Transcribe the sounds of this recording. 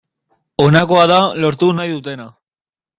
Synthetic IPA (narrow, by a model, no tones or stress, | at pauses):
o̞nako̞aðalo̞ɾt̪unajðut̪e̞na